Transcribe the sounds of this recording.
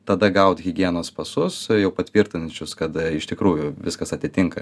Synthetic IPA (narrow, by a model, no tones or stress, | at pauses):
t̪ɐd̪ɐɡɐʊt̪ɣʲɪɡʲiɛnoːspɐsʊsjɛʊpɐt̪ʲʋʲɪɾʲt̪ʲɪnɐt͡ʃʲʊskɐt̪ɪʃt̪ʲɪkɾuːjʊʋʲɪskɐsɐt̪ʲɪt̪ʲɪŋkɐ